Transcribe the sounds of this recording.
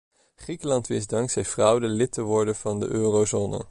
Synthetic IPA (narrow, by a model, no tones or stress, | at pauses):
χrikəlɑntʋɪsdɑŋksɛjfrɑwdəlɪtəʋɔɹdəv̥ɑndə̰ʔøːrowzoːnə̰